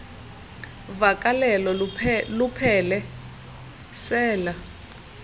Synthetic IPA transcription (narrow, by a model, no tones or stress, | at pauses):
vakʼalɛlɔlupʰɛlɛ | sɛːla